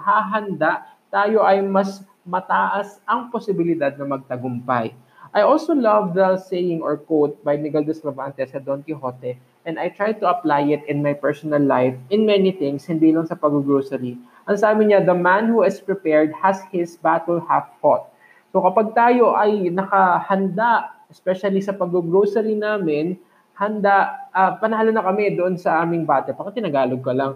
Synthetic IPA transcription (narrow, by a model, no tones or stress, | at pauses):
haɦɐnd̪aʔt̪aːjo̞ʔɐjmɐs | mɐt̪aːʔɐsʔɐŋposɪbɪlɪd̪ad̪̚nɐmɐɡ̚t̪ɐɡʊmpɐj | ʔajʔolsolɐvd̪ɐsejɪŋɔ̰ɹkot̪̚bɐjniɡɐld̪ɛsɾɐvant̪ɛsɐd̪ont̪ɪɦot̪ɛ | ʔɛ̃nd̪ɐjt̪ɹajt̪ʊɐplajɪt̪ɪ̃nmajpɛɹsɔnɐlːajfʔɪ̃nmɛniθɪ̃ŋshɪ̃nd̪iːlɐŋsɐpɐɡʊɡɹosɛɾi | ʔɐŋsaːbɪɲad̪ɐmanhuɪspɹɪpɛɹd̪̚hɐshɪsbat̪ɛlhaffot̪̚ | sokɐpaɡ̚t̪aːjo̞ʔɐjnɐkɐhɐnd̪aʔɛspɛʃɐlisɐpɐɡ̚oɡɾowsɐɾinaːmɪn | hɐnd̪aʔɐpɐnɐhalɐnɐkɐmɛd̪oʔonsɐʔaːmɪŋbaːt̪ɛpakɐt̪ɪnɐɡaːloɡ̚kɐlɐŋ